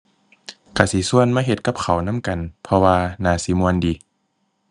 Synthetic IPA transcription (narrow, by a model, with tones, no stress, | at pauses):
kʰa˧˩si˧˦su˧˨ə˨nmaː˧˨ɦe˧t̪̚ka˧˦p̚kʰa˨˩wna˧˥˨mka˨npʰɔ˧waː˧naː˧˩˨si˧˦mu˧əndiː˨˦